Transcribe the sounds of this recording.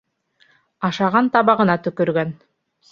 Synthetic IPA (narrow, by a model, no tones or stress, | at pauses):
ɑʃɑʁɑnt̪ɑβɑʁɤ̆nɑt̪ɵ̆kɵ̆ɾɡæn